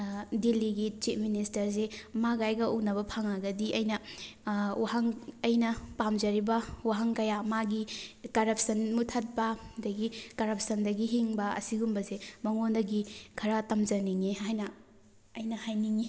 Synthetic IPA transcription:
dilːiɡit͡ʃit̚ʰministɐɾs̬emaɡajɡɐuknɐbɐpʰaŋaɡɐdiʔɐjnɐ | waɦaŋɐjnɐpamd͡ʒɐɾibɐwaɦaŋkɐjamaɡikɐɾɐp̚sɐnmutʰɐt̚bɐdɐɡikɐɾɐp̚sɐndɐɡiɦiŋbɐɐ̰siɡumbɐzemɐŋondɐɡikʰɐɾatɐmzɐniŋiɦajnɐ | ɐjnɐhajniŋi

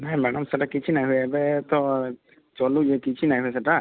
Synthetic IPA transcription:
najmanamsatakit͡ʃʰinajɦujɛɛbɛt̪ɔ | t͡ʃɔlud͡ʒɛkit͡ʃʰinajɦujɛs̬ɛta

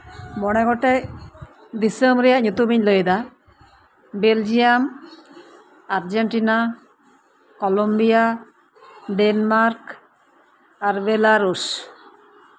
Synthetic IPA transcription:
mɔɽ̃ɛɡɔʈɛ | d̪isəmɾɛjaɲut̪umiɲlojd̪a | beld͡ʒijam | aɾd͡ʒeɳʈina | kɔlombija | ɖenmaɾk | aɾbelaɾus

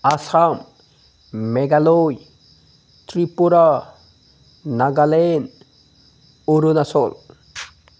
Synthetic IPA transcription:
asam | meɡaloj | t̪ɾipuɾa | naɡalen | uɾunasol

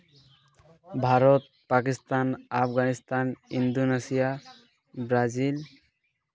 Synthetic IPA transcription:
bʱaɾɔt̪̚pak̬ist̪anapʰɡanist̪anind̪onesija | bɾazil

